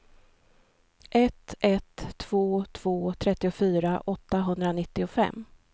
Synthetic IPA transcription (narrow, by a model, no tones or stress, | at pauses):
ʔɛt̪ɛt̪ʰːv̥oːt̪ʰv̥oːt̪ʰɾɛt̪ːɪʊfyːɾaʔɔt̪ːaɦɵnd̪ɾanɪt̪ːɪʊfɛ̰mː